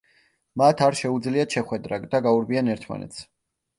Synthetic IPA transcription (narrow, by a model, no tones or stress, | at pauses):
mat̪ʰaɾʃɛud̪zliat̪ʃɛχwɛd̪ɾad̪aɡauɾbianɛɾt̪ʰma̰nɛ̰t̪sʰ